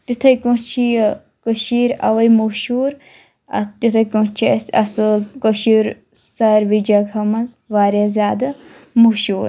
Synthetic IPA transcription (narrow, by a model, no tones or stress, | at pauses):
t̪it̪ʰɐjkõt͡ʃʰij | kəʃiːɾɐ̰ʋɐjmuʃuːɾ | ɐ̰t̪it̪ʰɐkot͡ʃʰiɐsɐsɨkəʃiɾ | sɐɾʋid͡ʒɐɡʱɐmɐzʋaːɾjazʲaːd̪ɐmuʃuːɾ